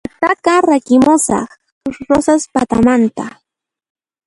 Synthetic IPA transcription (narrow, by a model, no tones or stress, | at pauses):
t̪akaɾakɪmʊsɑ̰χ | ʊɾosaspat̪amant̪a